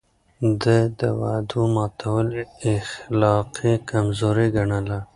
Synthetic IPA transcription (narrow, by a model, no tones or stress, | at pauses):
d̪əd̪əwad̪umɑːt̪ʰawəleːxlɑːqikamzoːɾiɡɐɳəla